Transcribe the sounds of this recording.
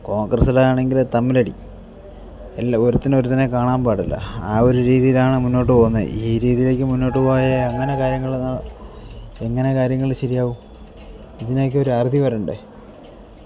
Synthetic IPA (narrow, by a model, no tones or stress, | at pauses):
ko̞ːŋɡrɐsɨɽeaːɳe̞ŋɡilt̪ɐmːilɐɽḭ | elːoɾut̪ːino̞ɾut̪ɐnːe̞kaːɳaːmbaːɽɐlːɐ̰aːo̞ɾuɾiːðijilaːɳɨmunːo̞ːʈːɨpoːnːɐð̰ʔiːɾiːðijile̞ːk̬ʲːɨmunːo̞ːʈːɨpoːjɐɐŋːɐne̞kaːɾjɐŋːɐɭenːaɭ | e̞ŋːɐne̞kaːɾjɐŋːɐɭiɕɐɾijaːʋum | iðineːkːɨo̞ɾuaːrd̪ʱipɐruɳɖɨ